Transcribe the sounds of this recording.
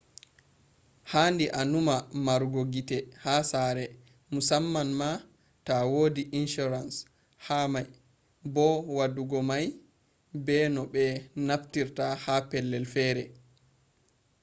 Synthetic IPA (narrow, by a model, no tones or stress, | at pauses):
handiʔanumamaɾɡoɡitɛhasaːɾɛ | musamːanma | tawoːdiʔinʃuɾans | hamaj | bɔwaduɡɔmaj | bɛnɔɓɛnaftiɾtahapɛlːɛlfɛːɾɛ